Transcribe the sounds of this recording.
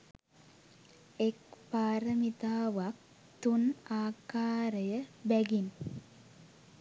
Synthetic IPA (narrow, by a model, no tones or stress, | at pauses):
ekpaːɾəmit̪aːʋak̚ | t̪unaːkaːɾəjəbæɡin